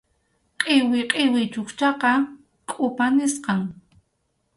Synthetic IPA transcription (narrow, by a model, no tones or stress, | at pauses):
qʼɪwɪqʼɪwɪt͡ʃʊkt͡ʃɑqɑ | kʼʊpanɪsqɑŋ